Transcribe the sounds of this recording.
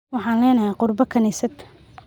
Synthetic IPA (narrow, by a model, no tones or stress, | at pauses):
wɑħɑːnlɛːnɐɦɛqʊrbɐkʰɐnɛːsɐt̪ʰ